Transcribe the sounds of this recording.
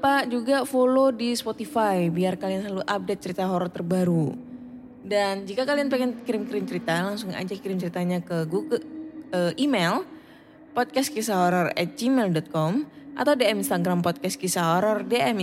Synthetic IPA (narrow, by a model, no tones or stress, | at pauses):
pad͡ʒuɡafolodispot̪ifajbiarkalianslaluʔap̚det̪̚t͡ʃəɾit̪aɦoɾɔt̪ərbaɾu | dand͡ʒikakalianpɛŋɛnkiɾɪmkiɾɪmt͡ʃəɾit̪alaŋsʊŋa̰d͡ʒakiɾɪmt͡ʃəɾit̪aɲakəɡuɡəʔimɛl | pɔt̪̚kɛskisaɦoɾarɛt̪̚d͡ʒimɛldɔt̪̚kɔmʔa̰t̪awdeɛminst̪aɡɾampɔt̪̚kɛskisaɦoɾardeʔɛm